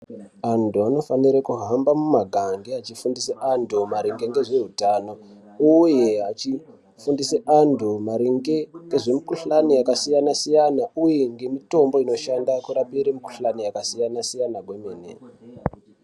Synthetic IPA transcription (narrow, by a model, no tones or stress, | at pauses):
antuano̞faniɾakuɦambamumaɡʱaŋɡeat͡ʃifundiseʔandʱumaɾiŋɡe̞ŋɡe̞ʐe̞ɦutano̞ | uje̞ɦat͡ʃi | fundiseʔantʰumaɾiŋɡe̞ŋɡe̞ʐe̞mikuɬanijakasijanasijanaujeŋɡe̞mito̞mbo̞ino̞ʃandakuɾapiɾemiku̥ɬanijakasijanasijanaɡʱwemeːnḛ